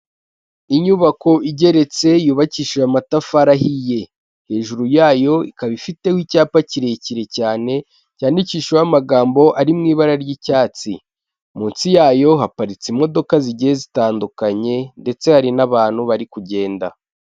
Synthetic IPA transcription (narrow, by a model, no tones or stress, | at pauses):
iɲuβako̞ʔiɟe̞ɾe̞t͡se̞juːβaciːʃoamatafaɾaɦije̞ | he̞ːʒuɾujaːjo̞ikaβifite̞wicaːpaciɾejeciɾe̞caːne̞ | caːndiciːʃojamaɡaːmbo̞ʔaɾimŋiːβaɾaɾjicaːt͡si | muːnsijaːjo̞ɦapaɾit͡simo̞do̞kaziɟijezitaːndukaɲe̞nde̞t͡se̞haɾinaβaːn̥huβaɾikuɟe̞ːnda̰